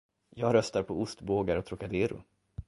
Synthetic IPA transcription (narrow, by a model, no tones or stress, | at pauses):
jɑːɡɾœst̪aɾpʰɔʊst̪boːɡaɾɔt̪ɾʊkad̪eːɾʊ̰